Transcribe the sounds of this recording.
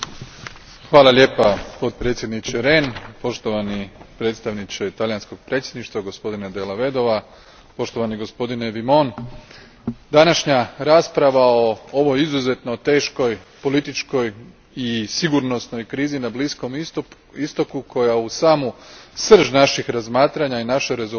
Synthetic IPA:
xʋaːlale̞ːpapo̞t̪̚pɾet̪sjed̪nit͡ɕeɾe̞ːnpo̞ʃt̪o̞ʋanipɾe̞t̪st̪aʋnit͡ʃet̪alijansko̞ɡ̚pɾe̞t̪sʲjed̪niʃt̪ʋaɡo̞spo̞d̪ined̪elaʋe̞d̪o̞ʋa | po̞ʃt̪o̞ʋaniɡo̞spo̞d̪ine̞ʋimo̞n | d̪anaʃɲaɾaːspɾaʋao̞oʋo̞jizuze̞t̪no̞t̪e̞ːʃko̞jpo̞lit̪it͡ʃko̞j | isiɡuɾno̞sno̞jkɾiːzinablisko̞m | ist̪o̞kukʰo̞jausaːmusr̩ʒnaʃixɾazmaːt̪ɾaɲainaʃe̞ɾe̞zo

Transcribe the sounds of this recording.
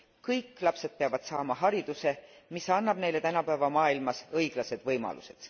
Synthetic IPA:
kɤjkːˑlɑpse̞d̪̥̚peɑvɑd̪̥sɑːmɑɦɑɾid̪̥use̞misɑnːɑb̥ne̞jle̞t̪ænɑpæevɑmɑːilmɑsɤjɡ̥lɑse̞d̪̥vɤjmɑ̰lṵse̞d̪̥

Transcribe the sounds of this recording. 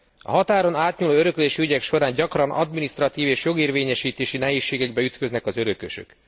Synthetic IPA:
ɒ̰ɦɒt̪aːɾo̞naːt̪ɲuloːøɾø̞kleːʃiyɟɛkʃo̞ɾaːɲɟɒkrɒnʔɒ̰d̪minist̪rɒt̪iːveːʃjo̞ɡeːrveːɲɛʃiːt̪eːʃinɛɦeːʃːeːɡɛɡbɛyt̪kø̞znɛkɒzø̞ɾøkø̰ʃø̰k

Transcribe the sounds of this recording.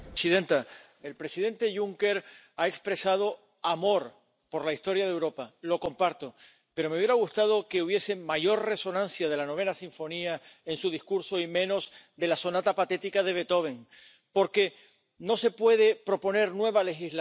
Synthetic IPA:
siðe̞nt̪a | e̞lpɾe̞siðẽ̞nt̪e̞ʝuŋke̞ɾ | aekspɾe̞sað̞o̞ | amo̞ɾ | po̞ɾlaist̪o̞ɾjaðewɾo̞palo̞ko̞mpaɾt̪o | pe̞ɾome̞uβje̞ɾaɣust̪að̞o̞ke̞uβ̞je̞se̞maʝo̞ɾre̞so̞nãn̟sjað̞e̞lano̞β̞e̞nasiɱfo̞niae̞nsuðiskuɾso̞imẽ̞no̞zd̪e̞laso̞nat̪apat̪e̞t̪ikaðe̞β̞e̞t̪o̞β̞e̞ŋ | po̞ɾke̞ | no̞se̞pwe̞ð̞e̞pɾo̞po̞ne̞ɾnwe̞β̞ale̞xizl

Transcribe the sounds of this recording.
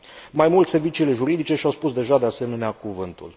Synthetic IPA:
majmult̪se̞rvit͡ʃiːle̞ʒuɾid̪it͡ʃe̞ʃiawspusd̪e̞ʒad̪e̞ase̞me̞neakuvɨnt̪ṵl

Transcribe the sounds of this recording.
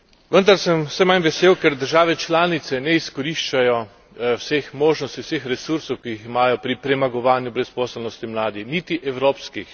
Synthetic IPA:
ʋənd̪aɾsɛmsɛmanʋɛseːwkɛɾd̪əɾʒaːʋɛt͡ʃlaːnit̪sɛnɛiskɔɾiʃt͡ʃajɔ | wsexmoːʒnɔst̪iwsexɾɛsuɾsɔwkiiximaːjɔpɾipɾɛmaɡɔʋaːnjubɾɛspɔːsɛlnɔst̪imlaːd̪ixnit̪iʔɛwɾoːpskix

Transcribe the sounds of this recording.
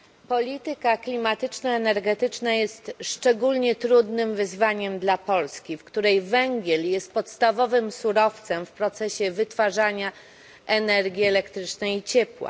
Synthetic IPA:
pɔlʲit̪ɘkaklʲimat̪ɘt͡ʂnaɛnɛɾɡɛt̪ɘt͡ʂnajɛst̪ʂt͡ʂɛɡulɲɛt̪ɾud̪nɘmvɘzvaɲɛmd̪lapɔlskʲifkt̪uɾɛjvɛŋɡʲjɛljɛst̪̚pɔt̪st̪avɔvɘmsuɾɔft̪sɛmfpɾɔt̪sɛɕɛvɘt̪faʐaɲa | ʔɛnɛɾɡʲiɛlɛkt̪ɾɘt͡ʂnɛjt͡ɕɛpwa̰

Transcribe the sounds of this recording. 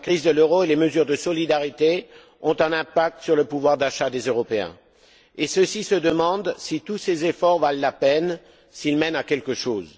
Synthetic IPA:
lakχizd̪əløʁoeleməzyʁd̪əsɔlid̪aʁit̪e | ɔ̃t̪ɛ̃nɛ̃pak̚t̪syʁləpuvwaʁd̪aʃad̪ezøʁɔpeɛ̰̃ | esəsisəd̪əmɑ̃d̪sit̪usezefɔʁvalːapɛn | silmɛnakʲɛlkəʃoːz

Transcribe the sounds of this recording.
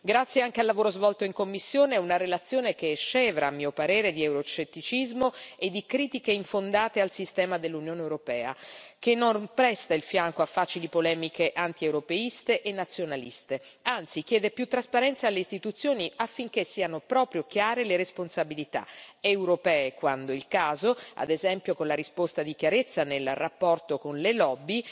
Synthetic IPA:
ɡɾat̪sːjeaŋk̟ealːavoːɾozvɔlt̪oiŋkomːisːjoːneɛunaɾelat̪sjoːnekeʃːɛːvɾaːmːiːopaɾɛːɾed̪iewɾot͡ʃet̪ːit͡ʃizmoed̪ːikɾiːt̪ikeiɱfond̪aːt̪ealsist̪ɛːmad̪elːunjoːnewɾopɛ̰ːa̰kenːonpɾɛst̪ailfjaŋkoafːaːt͡ʃilipolɛːmikʰeʔant̪iewɾopeist̪eʔenːat̪sːjonalḭst̪eant̪sik̟jɛːd̪epjut̪ːɾaspaɾɛnt̪saːlːeist̪it̪ut̪sːjoːniafːiŋk̟esːiːanopɾɔːpɾjok̟jaːɾeleɾesponsabilit̪a̰ewɾopɛːekwand̪oilkaːzoa̰d̪ezɛmpjokonlaɾispost̪ad̪ikjaɾet̪sːanelrapːɔrt̪okonlelɔbːi

